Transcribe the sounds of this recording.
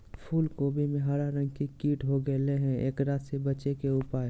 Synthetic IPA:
pʰuːlkoːbʱimẽɦɐɾaɾə̃ŋɡkikiːʈɦoɡɐleɦɛ̃ʔeːkɾaːt̪sebɐt͡ʃekeʊpaːe

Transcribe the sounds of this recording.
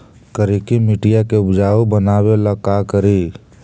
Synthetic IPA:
kəɾikimɪʈijakeʊbd͡ʒaːobənaːweləkakəɾi

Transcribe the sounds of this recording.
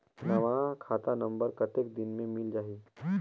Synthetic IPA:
nɐʋakʰaːt̪anɐ̃mbəɾkɐt̪ek̚d̪ɪnmẽmɪld͡ʒaːɦiː

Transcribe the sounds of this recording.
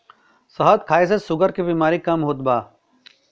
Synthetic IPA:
səɦət̪̚kʰaːis̬esʊɡəɾkibiːmaːɾikɐmɦoːt̪̚baː

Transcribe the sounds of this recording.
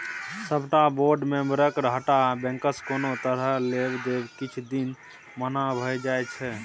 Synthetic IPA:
səbʱʈaboɾɖmẽmbəɾəkɾɦəʈabɛ̃ŋkəskonot̪əɾəlebd̪ebkit͡ʃʰd̪in | mənabʱəjd͡ʒajt͡ʃʰɛ

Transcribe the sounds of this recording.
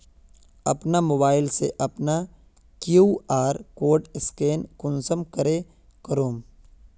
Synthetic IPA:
ɐpnamoːbaːɪlseʔɐpna | kjuːaːɾkoːʈɪskeːnkʊnsəmkɐɾe | kɐɾoːm

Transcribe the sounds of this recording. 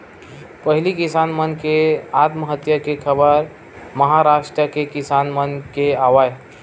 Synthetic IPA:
pəɦilikisanmənkeat̪məɦət̪jəkekʰəbəɾ | məɦaɾaʂʈɾəkekisanmənkeaʋad͡ʒ

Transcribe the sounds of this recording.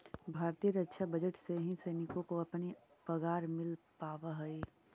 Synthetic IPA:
bʱaːɾt̪iəɾətːʃʰabəd͡ʒəʈseɦĩsɐɪnɪkõkoɐpnipəɡaːɾmɪlpaːʋaɦɐi

